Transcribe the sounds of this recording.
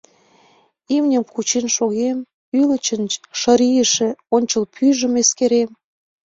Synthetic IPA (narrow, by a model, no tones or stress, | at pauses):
imnʲə̆mkut͡ɕenʃoɣem | ylə̆t͡ɕənʃəɾijəʃĕonʲt͡ɕəlpʰyʒə̆meskeɾem